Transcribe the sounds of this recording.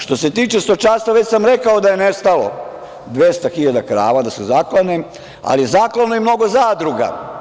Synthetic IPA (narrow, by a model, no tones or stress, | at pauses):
ʃt̪o̞se̞t̪iːt͡ʃest̪ot͡ʃast̪ʋaʋe̞t͡ɕsamɾe̞kaod̪aje̞nest̪alo̞̰ | d̪ʋjest̪axiʎad̪akɾa̰ːʋad̪asuzaklˠane | a̰lizaklanoimno̞ɡo̞zad̪ɾuɡa̰